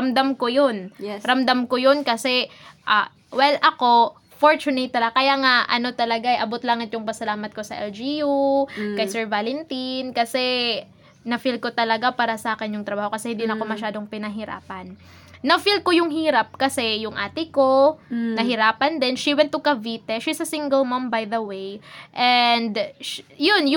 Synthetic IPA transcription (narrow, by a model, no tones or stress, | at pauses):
ɐmd̪amkojonɾɐmd̪amkojonkɐsɛʔa | wɛlʔɐko̞ | foɹt͡ʃʊnɪt̪ːɐlɐkɐjaŋaʔɐ̰no̞t̪ɐlɐɡaʔɐjʔɐbot̪laŋɐt̪jʊŋpɐsɐlaːmɐt̪̚ko̞sɐʔɛld͡ʒijukɐjsɛɹvalɛnt̪inkɐsɛ | nɐfilko̞t̪ɐlɐɡapaːɾɐsɐʔaːkɪnjʊŋt̪ɾɐbaːho̞kɐsɛhɪnd̪inɐko̞mɐʃaːd̪oŋpɪnɐɦɪɾa̰ːpɐnː | ɐfilkojʊŋɦiːɾɐp̚kɐsɛjʊŋʔa̰ːt̪ɪko̞nɐɦɪɾaːpɐnd̪ɛnʃiwɛ̃nt̪ːʊkɐviːt̪ɛʃisɐsiŋɡɛlmɐmbajd̪ɐwejʔɛnd̪jonjʊ